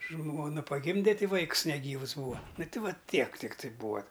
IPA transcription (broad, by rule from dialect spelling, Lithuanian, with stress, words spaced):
ˈʒmoːnɐ pɐˈɡʲɪmʲdʲɛ ˈtʲɪ ˈʋɐɪkʊs nʲɛˈɡʲiːʋʊs ˈbuːʋɐ nʊ ˈtʲɪ ˈʋɐ ˈtʲiɛk tʲɪkˈtɐɪ ˈbuːɐ